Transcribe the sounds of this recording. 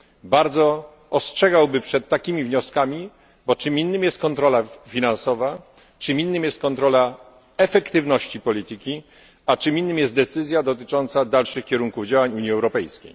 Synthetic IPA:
baɾd̪zɔ | ɔstʂɛɡawbɘpʂɛt̪ːakʲimʲivɲɔskamʲi | bɔt͡ʂɘminːɘmjɛst̪̚kɔnt̪ɾɔlafʲinansɔva | t͡ʂɨmʲinːɘmjɛst̪̚kɔnt̪ɾɔla | ɛfɛkt̪ɘvnɔɕt͡ɕipɔlʲit̪ɘkʲi | at͡ʂɘmʲinːɘmjɛst̪d̪ɛt̪sɘzʲjad̪ɔt̪̬ɘt͡ʂɔnt̪sad̪alʂɘxkʲɛɾuŋkuvd͡ʑawaɲuɲjiɛwɾɔpɛjskʲḛj

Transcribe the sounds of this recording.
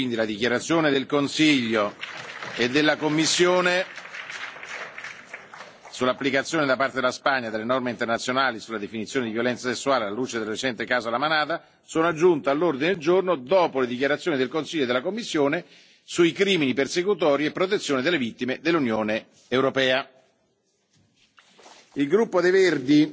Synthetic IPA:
ind̪ilad̪ikjaɾat̪sːjoːned̪elkonsiʎːo | ed̪ːelːakomːisːjoːne | sulːapːlikat̪sːjoːned̪apːaɾt̪ed̪elaspaɲːad̪elːenɔrmeint̪ernat̪sjonaːlisulːad̪efinit̪sjoːned̪ivjolɛnt̪sasesːuaːlealaluːt͡ʃed̪elret͡ʃɛnt̪ekaːzolːamanaːt̪a | soːnoad͡ʒːunt̪ealːurd̪ined̪eld͡ʒornod̪ɔːpoled̪ikjaɾat̪sjoːnid̪elkonsiʎːoed̪elːakomːisːjoːne | suikɾiːminipersekut̪ɔːɾiepːɾot̪̬et̪sːjoːned̪elːevit̪ːimed̪elːunjoːne | eːwɾopɛːa | ilɡɾupːod̪ejverd̪i

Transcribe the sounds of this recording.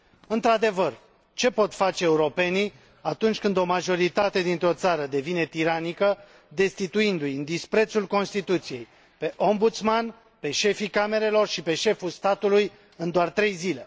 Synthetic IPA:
ɨnt̪ɾad̪e̞vər | t͡ʃe̞po̞t̪fat͡ʃe̞ːuɾo̞pe̞ni | at̪unt͡ʃʲkɨnd̪o̞maʒo̞ɾit̪at̪e̞d̪int̪ɾo̞t̪saɾəd̪e̞vine̞t̪iɾanikə | d̪e̞st̪it̪uind̪ujɨnd̪ispɾe̞t̪sulko̞nst̪it̪ut̪sije̞j | pe̞ʔo̞mbut̪sman | pe̞ʃe̞fikame̞ɾe̞lo̞rʃipe̞ʃe̞fulst̪at̪uluj | ɨnd̪oart̪ɾe̞jzile̞

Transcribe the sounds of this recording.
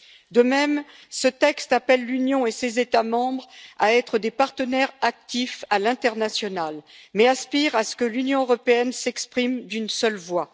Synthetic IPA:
d̪əmɛm | sət̪ɛkst̪apɛlːynjɔ̃esezet̪amɑ̃bʁaɛt̪χəd̪epaʁt̪ənɛʁak̚t̪ifalɛ̃t̪ɛʁnasjɔnalmɛaspiʁasə̥kəlynjɔ̃øʁɔpeɛnsɛkspχimd̪ynsœlvwa

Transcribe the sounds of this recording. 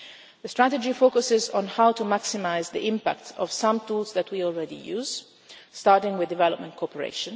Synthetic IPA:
ðəstɹatəd͡ʒifokʊsɪzɔ̃nhawtumaksɪmaɪzd̪ḭʔɪ̃mpa̰k̚tɔ̰v̥sãmt̪uːlzðætʰwiɔlɹɛdḭjuːz | staɹtɪ̃ŋwɪðdːɪvɛlɔp̚mə̃ntkʰɔpəɹḛɪʃə̃n

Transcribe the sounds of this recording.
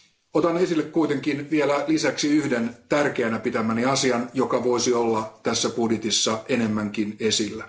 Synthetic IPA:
ot̪ɑne̞silːekkuit̪e̞ŋkinʋielælisæksiyhde̞nt̪ærk̟eænæpit̪æmæniɑsiɑnjo̞kɑʋo̞isiolːɑt̪æsːæpudjet̪isːɑe̞ne̞mːæŋkine̞silːæ

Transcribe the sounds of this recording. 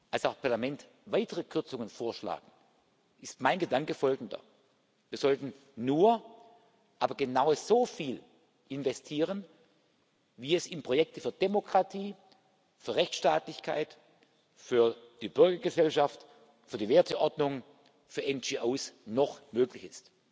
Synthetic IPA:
ʔalsaʊxpʰaɐlamɛnt | vaɪtəʁəkʰʏɐt͡sʊŋənfoːɐʃla̰ːɡŋ̩ | ʔɪstmaɪnɡədaŋkəfɔlɡŋ̩dɐ̰ | viːɐz̥ɔltn̩ | nuːɐ | ʔaːbɐɡənaʊəz̥oːfiːl | ʔɪnvɛstʰiːʁən | viːɛsɪnpʁ̥ojɛk̚tʰəfyːɐdemokʁ̥atʰiː | fyːɐʁɛçt͡sʃtaːtlɪçkʰa̰ɪt | fyːɐd̥iːbʏɐɡɐɡəzɛlʃaft | fyːɐdiːveːɐtʰəʔɔɐdnʊŋ | fyːɐɛnd͡ʒiːʔoːsnɔχmøːklɪçɪst

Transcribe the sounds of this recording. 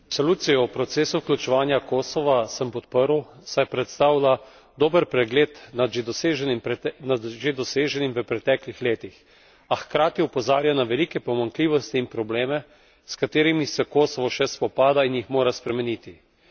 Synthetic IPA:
sɔluːt̪sijɔwpɾɔt̪seːsuwklʲut͡ʃɛʋaːnjakoːsɔʋasəmpɔt̪̚pəɾwsajpɾɛt̪st̪aːwla | d̪oːbəɾpɾɛɡleːt̪nad̪ʒed̪ɔseʒɛnimnad̪ʒed̪ɔseːʒɛnimʋəpɾɛt̪ɛːklixleːt̪ix | axkɾaːt̪iupɔzaːɾjanaʋɛlikɛpɔmaŋkliːʋɔst̪iːnpɾɔbleːmɛ | skat̪eːɾimisɛkoːsɔʋɔʃɛspɔpaːd̪ainjixmoːɾaspɾɛmɛnit̪i

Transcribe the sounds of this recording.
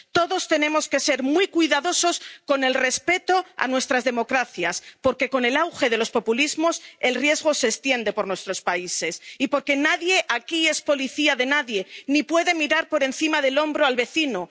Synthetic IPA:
t̪o̞ðo̞st̪e̞nẽ̞mo̞skese̞ɾmwikwiðaðo̞so̞sko̞ne̞lre̞spe̞t̪o̞a̰nwe̞st̪ɾazðe̞mo̞kɾaθjaspo̞ɾke̞ko̞ne̞lawxe̞ðe̞lo̞spo̞pulizmo̞se̞lrje̞zɣ̞o̞se̞ːst̪je̞nd̪e̞po̞ɾnwe̞st̪ɾo̞spaise̞sipo̞ɾke̞naðje̞ʔakie̞spo̞liθiaðe̞naðje̞nipwe̞ðe̞miɾaɾpo̞ɾe̞n̟θimaðe̞lo̞mbɾoalβe̞θino

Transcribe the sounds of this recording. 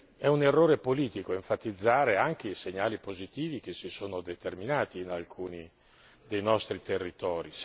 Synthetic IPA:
ɛunerːoːɾepoliːt̪ikoeɱfat̪id̪zːaːɾeaŋk̟eiseɲaːlipozit̪iːvik̟esisoːnod̪et̪erminaːt̪iːnalkʰuːni | d̪ejnɔst̪ɾit̪erːit̪ɔːɾi

